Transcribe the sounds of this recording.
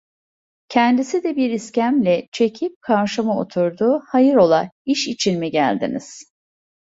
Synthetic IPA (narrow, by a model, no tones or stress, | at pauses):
cʰɛnd̪isid̪ɛbiɾiscæmlʲɛt͡ʃʰe̞cʰip̚kʰaɾʃamao̞̰t̪ʰuɾd̪uːhajɯɾo̞lˠa̰iʃit͡ʃʰinmiɟæ̰lʲd̪ḭnḭz̥